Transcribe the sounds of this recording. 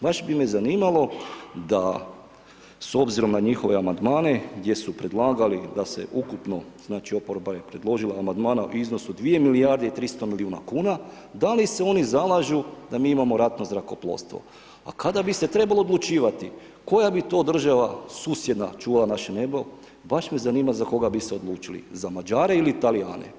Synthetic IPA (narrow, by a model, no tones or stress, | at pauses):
baʃbime̞zaniːmalˠo̞d̪a | so̞bziɾo̞mnaɲixo̞ʋe̞amand̪maːne̞ɡd̪ʲje̞supɾe̞d̪lˠaːɡalid̪ase̞̰ʔukupno̞z̥naːt͡ʃio̞poɾbaje̞pɾe̞d̪lˠo̞ʒilˠaːmand̪maːnaʔṵiznosud̪ʋije̞milijaɾd̪eit̪ɾist̪o̞miliuːna̰kuːna | d̪aliseo̞nizalˠaʒud̪amiːimamo̞ɾat̪no̞zɾako̞plˠo̰st̪ʋo̞̰ | a̰kad̪abise̞t̪ɾe̞balˠo̞od̪lˠut͡ʃiːʋat̪i | ko̞jabit̪o̞ːd̪r̩ʒaʋasuːsjed̪na̰t͡ʃuːʋalˠanaʃene̞bo | baʃmezaniːmazako̞ɡabiseod̪lˠuːt͡ʃilḭzamad͡ʒaːɾe̞ilit̪alija̰ːnʔḛ